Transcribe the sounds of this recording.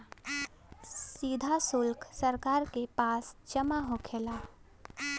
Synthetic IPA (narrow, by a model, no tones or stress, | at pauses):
siːd̪ʱasʊlkʰsəɾkaːɾkepaːst͡ʃəmaɦokʰeːlaː